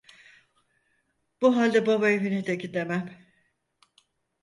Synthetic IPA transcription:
b̥uɦalʲd̪ɛbabaevined̪ekʲid̪emæm

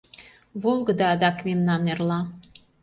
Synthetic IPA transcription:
βolˠɡə̆d̪ɑːd̪ɑkmemnɑnerlɑ

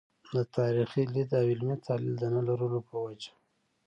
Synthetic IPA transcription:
d̪ət̪ɑɾixilid̪awilmit̪ʰɑlḭld̪ənəlaɾəlopəwad͡ʒḁ

